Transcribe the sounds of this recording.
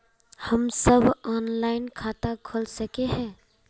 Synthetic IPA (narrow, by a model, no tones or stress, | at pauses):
həmsəbʱɔːnlaːɪnkʰaːt̪akʰʊlsəkeɦɛ̃ː